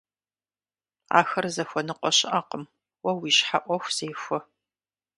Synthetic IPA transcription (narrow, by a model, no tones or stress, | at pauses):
a̰ːxɐrzɐxʷɔnɨqʷʼɔɕɪʔɐqəm | wɐwiːʃħaʔʷɔxʷz̥eːxʷɔ